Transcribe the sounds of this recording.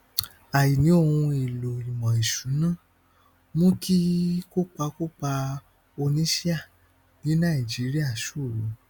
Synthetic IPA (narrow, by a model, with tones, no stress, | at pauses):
a˨ji˨nĩ˨˦o˦˧˨hũ˧e˨lo˨i˨mɔ̃˨i˨ʃu˨˦nã˦˨ | mõ˦kʰi˦ko˦k͡pa˧ko˦k͡pa˧ | o˧nĩ˦ʃi˦a˦˨ | ni˨˦nã˦˨i˨d͡ʒi˨˦ɾi˦a˦˨ʃu˦˨ɾu˨˦